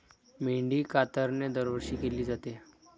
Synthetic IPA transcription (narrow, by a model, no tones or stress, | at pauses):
meɳɖiːkat̪əɾned̪əɾʋəɾɕiːkeliːd͡zat̪e